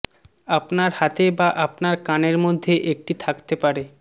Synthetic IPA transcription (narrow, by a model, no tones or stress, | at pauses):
apnaɾhat̪ebaʔapnaɾkaneɾmod̪ʱːeʔek̚ʈit̪ʰakt̪epaɾe